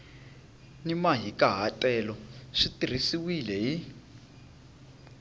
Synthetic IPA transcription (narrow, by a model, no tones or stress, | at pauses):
nimaɦikʼaɦatʼɛlɔʂitir̤isiwilɛɦi